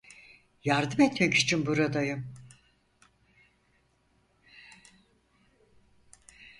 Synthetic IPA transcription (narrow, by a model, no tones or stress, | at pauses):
jaɾd̪ɯmet̪mɛci̥t͡ʃʰinbuɾad̪ajɯm